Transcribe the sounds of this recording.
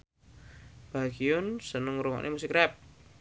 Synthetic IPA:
b̥aɡiʊnsənəŋɾuŋɔ̰ʔnʔemusɪkrɛp̚

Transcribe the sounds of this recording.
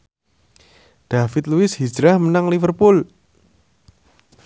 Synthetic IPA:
d̪̥afɪt̪luɪshi̥d͡ʒɾahmənaŋlifərpʊl

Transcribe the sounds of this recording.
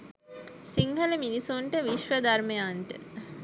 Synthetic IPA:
siŋɦələminisuɳʈəʋiʃʋəd̪arməjanʈə̰

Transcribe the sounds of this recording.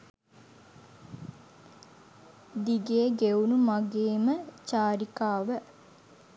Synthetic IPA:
d̪iɡeːɡeunumaɡeːmət͡ʃaːɾikaːʋə

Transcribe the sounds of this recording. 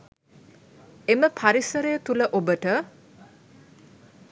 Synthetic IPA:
eməpʰaɾisəɾejət̪uləʔobəʈə

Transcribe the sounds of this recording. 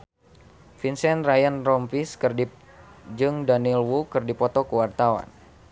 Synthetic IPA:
finsɛnrajanrɔmpiskɨrdi | d͡ʒɨŋdanilwukɨrdipɔt̪ɔkuwart̪awa̰n

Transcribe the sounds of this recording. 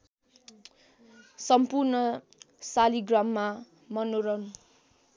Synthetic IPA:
sʌmpurnʌ | saliɡrʌmːa | mʌnoɾʌn

